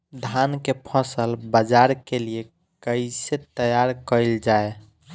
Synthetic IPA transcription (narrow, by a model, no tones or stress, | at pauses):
d̪ʱankepʰəsəlbəd͡ʒaɾkelije | kəɪset̪əjaɾkəjld͡ʒae